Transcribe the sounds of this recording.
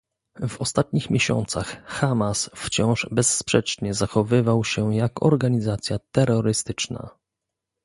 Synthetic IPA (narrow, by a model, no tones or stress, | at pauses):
vɔst̪at̪̚ɲixmʲjeɕɔ̰nt̪saxxamasft͡ɕɔ̃w̃ʐbɛsːpʂɛt͡ʂɲɛzaxɔvɘvawɕɛjakɔ̰ɾɡaɲizat̪sʲjat̪ɛɾːɔɾɘst̪ɘt͡ʂna̰